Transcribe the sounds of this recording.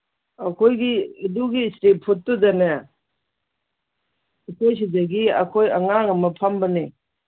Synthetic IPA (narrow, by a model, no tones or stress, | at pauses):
ɐkʰojɡiiduɡiːstepʰutːudɐnɐ | ikejs̬idɐɡiɐ̰kʰojɐ̰ŋaŋɐmɐpʰɐmbɐne